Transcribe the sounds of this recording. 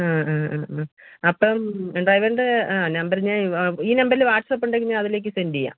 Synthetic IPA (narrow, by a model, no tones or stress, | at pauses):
aːaaɐpːomeɳɖɐːjʋɐɾɳɖeaːnɐmbɐɾɨɲaːiːnɐmbɐɾilʋaːʈsɐpːuɳɖɐk̬ːuɲːaɐðile̞ːkːɨsendija̰ː